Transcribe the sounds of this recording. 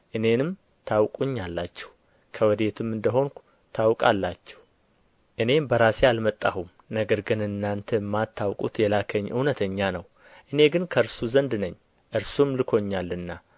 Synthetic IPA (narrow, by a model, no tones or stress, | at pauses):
ʔɨne̞nɨm | t̪ʰawkʼuɲːalːat͡ʃːɛh | kʰəwɔd̪e̞t̪ʰɨmɨnd̪əɦo̞nk | t̪ʰawkʼalːat͡ʃːɛ̥h | ʔɨne̞mbəɾasealmət̪ʼːahum | nəɡəɾɡɨnɨnːant̪ʰəmːat̪ʰːawkʼut̪jɛlakʰəɲːʔɨ̰hnət̪ʰəɲːanəw | ʔɨne̞ɡɨnkʰəɾsuzənd̪nəɲː | ʔɨɾsumlɨkʰo̞ɲːalːɨnːa